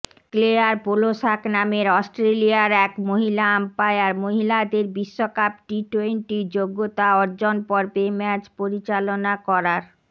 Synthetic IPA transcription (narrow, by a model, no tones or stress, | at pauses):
kleaɾpoloʃaknameɾɔsʈɾeliaɾɛkmoɦilaampaeaɾmoɦilad̪eɾbiʃːokap̚ʈiʈweɳʈid͡ʑoɡːot̪aɔɾd͡ʑonpɔɾbemɛt͡ɕpoɾit͡ɕalonakɔɾaɾ